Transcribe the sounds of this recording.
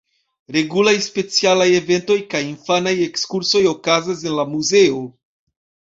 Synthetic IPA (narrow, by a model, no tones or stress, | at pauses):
ɾe̞ɡulajspe̞t͡sialaje̞ve̞nto̞jkajinfanaje̞kskuɾso̞jo̞kazas̬e̞nlamuze̞o